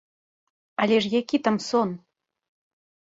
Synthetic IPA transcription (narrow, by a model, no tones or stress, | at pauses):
ɐlʲɛʂjakʲit̪amsɔn